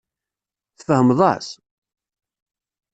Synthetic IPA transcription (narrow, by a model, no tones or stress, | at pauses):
θfəhəmðˤɑ̰s